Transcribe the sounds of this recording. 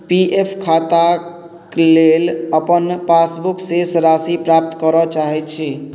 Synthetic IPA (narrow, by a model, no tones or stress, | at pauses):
piʔepʰkʰat̪a | kleləpənpasbuksesɾasipɾap̚t̪kəɾɔt͡ʃaɦɛt̪t͡ʃʰi